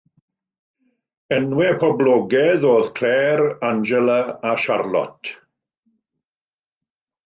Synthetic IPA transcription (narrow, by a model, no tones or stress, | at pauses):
ənwɛpʰɔblɔɡɛðoːðkʰl̥ɛːɾand͡ʒɛləaʃarlɔ̰tʰ